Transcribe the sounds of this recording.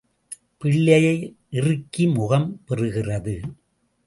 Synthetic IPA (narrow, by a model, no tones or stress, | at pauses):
pɪɭːɐjɐɪ | ʔɪrɯkːimʊɣɐmpɛrɯɣɪrɐðɯ